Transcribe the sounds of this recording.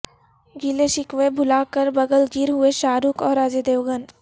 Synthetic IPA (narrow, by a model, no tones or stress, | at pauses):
ɡɪleʃɪkʋebʱʊlaːkəɾbɐɡəlɡɪɾɦueʃaːɾukɔːɾːaːd͡ʒed̪eːʋɡən